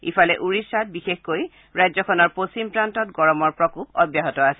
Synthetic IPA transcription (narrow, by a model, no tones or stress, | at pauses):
ḭfalɛʔuɹisat̚bixexkoj | ɹajzɔkʰɔnɔɹposimpɹantɔtɡɔɹɔmɔɹpɹɔkupɔbjaɦɔtɔasɛ